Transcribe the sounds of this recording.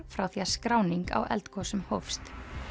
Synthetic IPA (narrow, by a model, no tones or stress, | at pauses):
fɾawθiaskɾaːwniŋka̰wʔɛ̰lt̪kʰɔsʏmhowfst̪